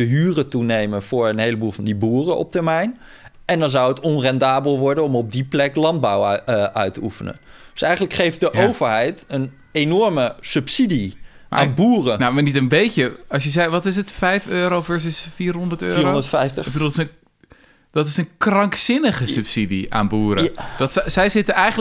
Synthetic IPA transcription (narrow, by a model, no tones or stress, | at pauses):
d̥əɦyːrətunejmənvʊːɹənɦejləbuːlˠvɑndibuːrəʔɔ̰p̚təɹmɛjn | ɛndɑnzawətɔnrɛndaːbəlˠʋɔɹdənɔmɔb̚diplɛklɑnd̚bawʔœɥtəufənə̰nd̥øsɛjχən̩ləkχejfdəʔʔowvəɹɦɛjtən | enɔɹməsɵpsidi | ma̰aːnbuːrənamaːɹnitənbejcəɑsjəzɛjʋɑtɪs̬ətfɛjføːɾowvɛɹs̬ɪsfiːrɦɔndəɹtøːndətfɛjftəbədulˠɪsən | d̥ɑtɪsənkrɑŋksɪnəχəsʉpsidḭa̰ːnbuːɾəd̥ɑtssɛjzɪtəʔɛjχən